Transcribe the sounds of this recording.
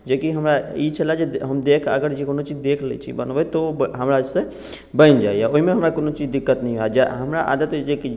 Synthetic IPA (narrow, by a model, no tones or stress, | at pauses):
d͡ʒekiɦəmɾait͡ʃʰəlad͡ʒeɦəmd̪ekʰə̰ɡəɾd͡ʒekonot͡ʃid͡ʒd̪ekʰlɛ̰t͡ʃʰḭbənʋɛt̪oɦəmɾasẽ | bə̃nd͡ʒaːijaoɦimeɦəmɾakonot͡ʃid͡ʒd̪ikːət̪nəɦĩɦoad͡ʒaɦəmɾaʔa̰d̪ət̪d͡ʒeki